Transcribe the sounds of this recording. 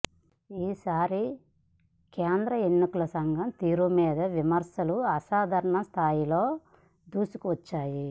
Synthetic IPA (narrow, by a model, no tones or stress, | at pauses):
iːsaːɾi | keːnd̪ɾɐenːikulɐsɐŋɡʱɐmt̪iːɾumiːd̪ɐʋimɐɾsɐluɐsaːd̪ʱɐɾɐɳɐst̪ʰaːjilo̞ː | d̪uːsu̥kuʋɐt͡ʃːaːji